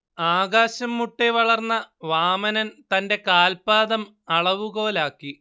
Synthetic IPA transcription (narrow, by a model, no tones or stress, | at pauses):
aːɣaːɕɐmːuʈːeʋɐɭɐrnːɐʋaːmɐnɐnt̪ɐnde̞kaːlpaːðɐm | ɐɭɐʋuɣo̞ːlaːkːi